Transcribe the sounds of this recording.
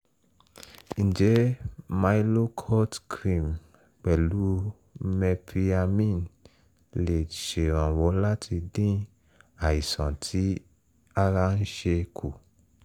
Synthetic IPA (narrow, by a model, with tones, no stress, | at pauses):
ñ̩˨d͡ʒɛ˨˦ma˧i˦lo˦kʰɔ˦tkɾĩ˦˨m | k͡pɛ˨lu˨˦ | mɛ˧pɾi˧a˧mĩ˦˨n | le˨ʃe˨ɾ̃ã˨wɔ˨˦la˦tʰi˧dĩ˦ | a˨i˨sã˨tʰi˨˦ | a˦ɾa˧n̩˦ʃe˧kʰu˨